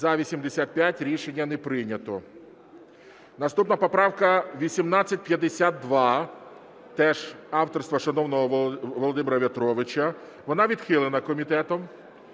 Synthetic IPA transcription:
zɐʋʲisʲimd̪esʲat̪̚pʲjatʲɾʲiʃenʲːɐnɛpɾɪnʲɐt̪ɔ | nɐst̪upnɐpɔpɾɑwkɐʋʲisʲimnat͡sʲːɐtʲpjɐd̪ːesʲat̪̚ːʋɑ | t̪ɛʒɑwt̪ɔrst̪ʋɐʃɐnɔwnɔɦɔʋɔlˠɔd̪ɪmʲɪɾɐʋʲɐt̪ɾɔʋɪt͡ʃɐ | ʋɔnɑʋʲid̪xɪlˠenɐkɔmʲit̪ɛt̪ɔm

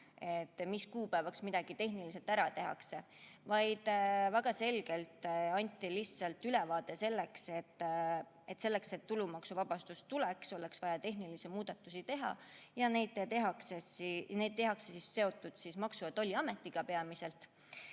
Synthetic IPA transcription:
e̞t̪ːmiskuːpæevɑksmid̪̥ɑɡ̥it̪e̞ɦnilise̞lt̪æɾɑt̪e̞ɦɑ̰kse̞ | vɑjd̪̥væɡ̥ɑse̞lɡ̥e̞lt̪ɑnʲt̪ːˑilisːɑlt̪ːylɛvɑːd̪e̞se̞lːe̞kse̞t̪ː | et̪ːˑse̞lːe̞kse̞t̪ːulumɑksuvɑb̥ɑst̪ust̪ulɛkso̞lɛksvɑjɑt̪e̞ɦnilisimuːd̪̥ɑt̪ːˑusit̪e̞ɦɑ̰jɑne̞jd̪t̪eɦɑksesne̞jd̪̥̚t̪e̞ɦɑksesisːe̞o̞t̪ˑːud̪̥sismɑksuet̪ːo̞lʲːiɑme̞t̪ːiɡ̥ɑpe̞ɑmise̞lt̪

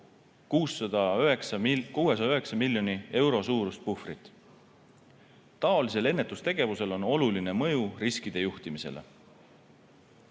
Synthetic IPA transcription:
kuːsːɑd̪ɑøeksɑkue̞sɑɑøɦe̞ksɑmilːjo̞nie̞wɾo̞suːɾust̪̚pufrit̪ˑ | t̪ɑolis̬e̞le̞nːe̞t̪ːˑust̪e̞ɡ̥e̞vuse̞lo̞no̞luline̞mɤjuriskid̪̥e̞juht̪imise̞̰lḛ

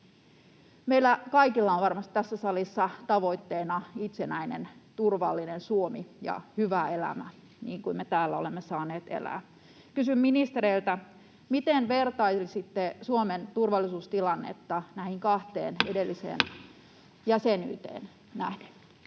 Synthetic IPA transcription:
meilːækɑikilːɑonʋɑrmɑst̪i̥t̪æsːæsɑlisːɑt̪ɑʋo̞it̪ːeːnɑit̪senæinḛnt̪urʋɑlːinensuomijɑ̰hyʋæelæ̰mæ̰ | nḭːŋkuimet̪æːlːæo̞lemːesɑːneːt̪ḛlæ̰ː | kysymminist̪eɾeilt̪æ | mit̪enʋert̪ɑilsit̪ːesuoment̪urʋɑlːˑisuːst̪ilɑnːḛt̪ːɑnæhiŋkɑht̪ḛːnedelːisḛːn | jæseny̰ːt̪ḛːn | næhde

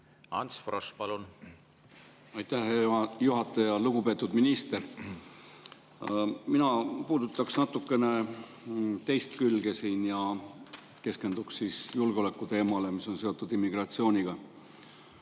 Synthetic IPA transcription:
ɑ̰nsfrospɑlun | ɑjt̪ːæhejuɦɑt̪ːˑɑjɑluɡ̥upe̞ːt̪ːˑud̪minist̪e̞ɾ | minɑpuːd̪ut̪ːˑɑksnɑt̪ːˑukːˑe̞ne̞ | t̪e̞jst̪kylɡe̞siːnjɑ | ke̞ske̞nd̪ukssiːsjulɡ̥eo̞lekːˑut̪e̞ːmɑle̞misːo̞nse̞o̞t̪ːˑud̪imːiɡ̥rɑt̪sio̞ːnʲiɡ̥ɑ

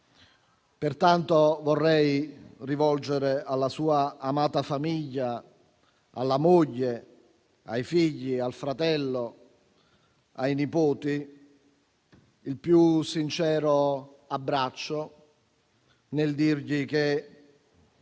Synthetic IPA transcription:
pert̪ant̪ovɔrːɛjrivɔld͡ʒeɾealːasuːaːmaːt̪afamiʎːa | a̰lːamoʎːe | ajfiʎːialfɾat̪ɛlːo | ajnipoːt̪i | ilpjusint͡ʃɛːɾo | abːɾat͡ʃːo | neld̪irʎik̟e

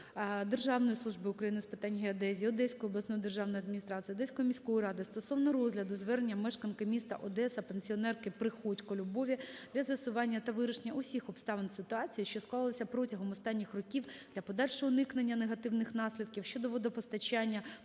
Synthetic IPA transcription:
d̪erʒɑwnɔjisˠuʒbɨʊkɾɐjinɪspɨt̪ɑnʲɦeɐd̪ɛzʲiɔd̪ɛsʲkɔjɔblˠɐsnɔjɔd̪erʒɑʋwnɔjɔɐd̪̚mʲinʲist̪ɾɑt͡s̪ʲɨjɔd̪ɛsʲkɔjɔmʲisʲkɔjiɾɑd̪ɪst̪ɔsɔwnɔɾɔzʲlʲɐd̪ʊzʋɛrenʲːɐmɛʃkɐnkɐmʲist̪ɐ̰ʔɔd̪ɛsɐpenʲsʲiɔnɛrkɪpɾɪxɔt͡ʃʲkɔlʲʊbɔʋʲid̪lʲɐzʋʲɪsʊʋɑnʲːɐt̪ɐʋɪɾɐʃenʲːɐʊsʲixɔpst̪ɑʋensɪt̪ʊɑt͡sʲijiʃt͡ʃɔsklˠɑlˠlˠɐsʲɐpɾɔtʲɐɦɔmɔst̪ɑnʲːixrɔkʲiwd̪lʲɐpɔd̪ɑlʲʃɔɦɔʊnɪknenʲːɐneɦɐt̪ɪwnɪxnɑsʲlʲid̪̚kʲiwʃt͡ʃɔd̪ɔʋɔd̪ɔpɔst̪ɐt͡ʃanʲːɐ

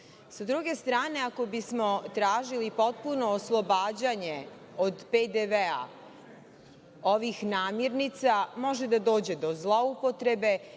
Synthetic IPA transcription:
sad̪ɾuɡe̞st̪ɾaːne̞ako̞bismo̞t̪ɾaːʒilipo̞t̪̚puno̞ːslˠobaːd͡ʑaɲe | od̪ped̪eʋea̰ | o̞ʋixnaːmjeɾnit̪samo̞ʒe̞d̪ad̪o̞ːd͡ʑe̞d̪o̞zlˠoupo̞t̪ɾe̞be̞

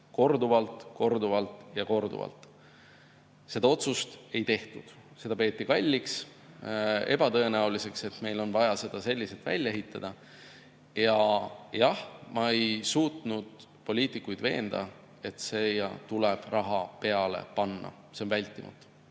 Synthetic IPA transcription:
ko̞rd̪uvɑlt̪ˑko̞rd̪uvɑlt̪ˑjɑko̞rd̪ṵvɑ̰lt̪ | se̞d̪ɑo̞t̪sust̪e̞jt̪e̞ht̪ud̪̥ | se̞d̪̥ɑpe̞ːt̪ːˑikɑlʲːiks | e̞b̥ɑt̪ɤe̞næulise̞kse̞t̪me̞jlo̞nvɑjɑse̞d̪̥ɑse̞lʲːiset̪ːˑvæ̰lʲːe̞ɦit̪ˑːɑd̪̥ɑ | jɑjɑhmɑe̞jsuːt̪nud̪̥ | po̞lʲiːt̪ˑikːujd̪ve̞̰ːnd̪̥ɑ̰ | e̞t̪sejɑt̪uleb̥rɑɦɑpe̞ɑle̞̰pɑnːɑ̰ | se̞onvælʲt̪ˑːimɑ̰t̪ːˑu̥

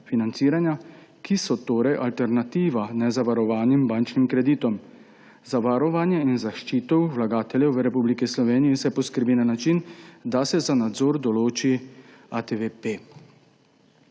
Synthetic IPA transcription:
finant̪siːɾanja | kʰisɔt̪oːɾɛjʔalt̪ɛɾnat̪iːʋanɛzaʋaɾɔʋaːnimbaːnt͡ʃnimkɾɛd̪iːt̪ɔm | zaʋaɾɔʋanjɛinzaʃt͡ʃiːt̪ɔwʋlaɡaːt̪ɛlʲjɛwʋəɾɛpublikislɔʋeːnijisɛpɔskəɾbiːnanat͡ʃind̪asɛzanad̪zɔːɾd̪ɔloːt͡ʃi | at̪eʋepe

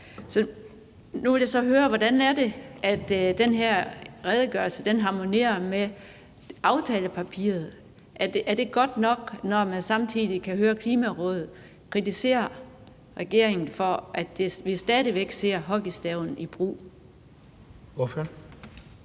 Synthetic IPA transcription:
sɒ̽ | nuʋe̝ljæasɒ̽ɦøːɐʋɒd̥ænæɐd̥e̝æd̥d̥enɦeɐ̰ʁɛðˠəɡ̥ɶɐlsəd̥enɦɑ̈mo̝ne̝ɐme | ʔɑ̈ʊt͡sʰɛːləpʰæpʰḭːɐð̞̩ˠ | ʔæɐd̥ʔːɐd̥e̝ɡ̥ɒ̽d̥nɒ̽ɡ̥nɒmænsɑ̈mt͡sʰiðˠikʰæɦøːɐkʰliːmæʁɔ̽ːðð̩ˠ | kʰʁit͡sʰise̝̰ːɐ | ʁɛɡ̥e̝ɐ̰e̝ŋn̩fɒʔæd̥eʋisd̥ɛːðˠiʋeɡ̥se̝ɐ̰ɦɒ̽ɡ̥isd̥ɛʊ̰n̩ib̥ʁṵː | f

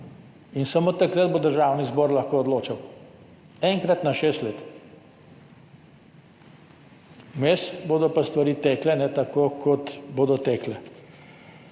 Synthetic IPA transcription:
insamoːt̪akɾəd̪̚bod̪əɾʒawnizbɔːɾlɐxkoːɔd̪loːt͡ʃɐw | ɛŋkɾat̪naʃeːst̪leːt̪ | mesboːd̪ɔpast̪ʋaɾiːt̪ɛklɛnɛt̪akoːkʰɔt̪boːd̪ɔt̪ɛklɛ

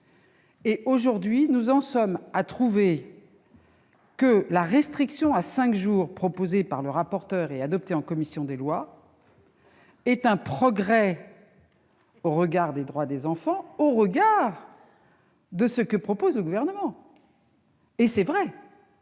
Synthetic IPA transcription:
eʔoʒuʁd̪ɥinuzɑ̃sɔmat̪χuve | kəlaʁɛst̪χiksjɔ̃asɛ̃kʒuːʁpχɔpozepaʁləʁapɔʁt̪œʁead̪ɔp̚t̪eɑ̃kɔmisjɔ̃d̪elwa | ɛt̪ɛ̃pχɔɡʁɛ | oʁəɡaʁd̪ed̪ʁwad̪ezɑ̃fɑ̃oʁəɡaʁ | d̪əsəkəpχɔpozləɡuvɛʁnəmɑ̃ | esɛvʁɛ

